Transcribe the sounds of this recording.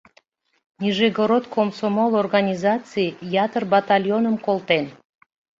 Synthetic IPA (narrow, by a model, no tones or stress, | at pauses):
nʲiʒeɡoɾot̪̚komsomolˠorɣɑnʲizɑt͡sɨjjɑt̪ərbɑt̪ɑlʲjonəmkolˠt̪en